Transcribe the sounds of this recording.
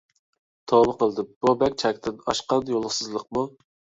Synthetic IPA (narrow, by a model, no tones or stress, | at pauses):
t̪ʰobəqəlˠd̪ɪb̥ubɛkʲt͡ʃʰɛkʲt̪ʰɪnɑ̰ʃqɑnjolˠəχsɨzlˠəq̚mu